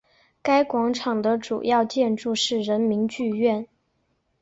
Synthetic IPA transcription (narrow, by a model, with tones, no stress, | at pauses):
ka˥ɪkwɑ˧˥ŋʈ͡ʂʰɑ˨˩ŋd̪ə˦ʈ͡ʂṵ˨˩jɑ˥˧ʊt͡ɕjɛ˥˧nʈ͡ʂu˥˧ʂɻ̩˥˩ɻə˧˥nmi˧˥ŋt͡ɕy˥˧ɥɛ˥˩n